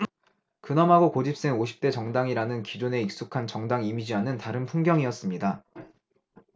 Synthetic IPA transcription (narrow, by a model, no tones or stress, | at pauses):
kɯnʌmɦaɡokod͡ʑip̚s͈e̞ŋoɕʰi̥p̚t͈e̞t͡ɕʌŋdaŋiɾanɯnkid͡ʑune̞ik̚s͈ukʰant͡ɕʌŋdaŋimid͡ʑiɦanɯntaɾɯnpʰuŋɡjʌŋiʌs͈ɯmɲida